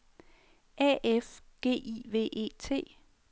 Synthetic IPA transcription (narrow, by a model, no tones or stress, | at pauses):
ʔɛʔefɡ̥e̝̰ːiʋe̝̰ːʔe̝̰ːt͡sʰe̝̰ː